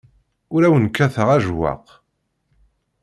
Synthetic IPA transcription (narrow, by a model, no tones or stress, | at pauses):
ʊɾæwənkːæθəʁæʒwa̰q